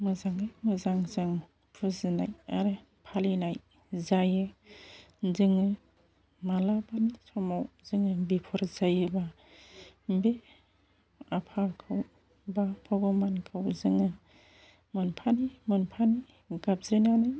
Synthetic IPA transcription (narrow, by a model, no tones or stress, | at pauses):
mɯzaŋɯjmɯzaŋzɯŋ | pʰuzɯna̰ja̰ɾɯ | pʰalinaj | zajɯ | zɯŋɯ | malabanisʰɔmawzɯŋɯbipʰɔɾzajɯba | be | apʰakʰɯw | bapʰabɔmankʰɯwzɯŋɯ | mɯnpʰanimɯnpʰani | ɡap̚zɾinanaj